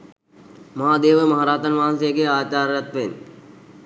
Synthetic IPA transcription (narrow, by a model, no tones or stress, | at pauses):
maːd̪eːʋəmɐɦaɾaːt̪anʋaɦansejəɡeaːt͡ɕaːɾɐt̪ʋen